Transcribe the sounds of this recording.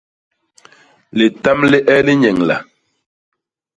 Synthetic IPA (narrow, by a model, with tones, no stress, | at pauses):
li˨ta˦mli˦ʔɛ˦li˦ɲɛ˨ŋla̰˨